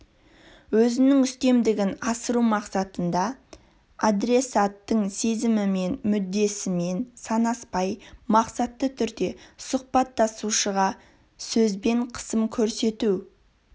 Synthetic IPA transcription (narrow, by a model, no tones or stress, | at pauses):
wɵzɪnɪŋʏst̪e̞md̪ɪɡʲɪnɑsəɾumɑqsɑt̪ənd̪ɑ | ad̪ɾe̞sat̪ːəɴse̞zɪmɪme̞nmʏd̪ːe̞sɪme̞nsɑnɑspɑjmɑqsɑt̪ːət̪ʰʏɾd̪e̞sʊq̚pɑt̪ːɑsuʃəʁɑ | sɵzbe̞ɴqʰə̥səmkʲʰɵɾse̞t̪u